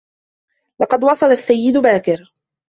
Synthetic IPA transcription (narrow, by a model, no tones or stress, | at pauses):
lɑqɑd̪wɑsˤɑlasːajːɪd̪baːkɪɾ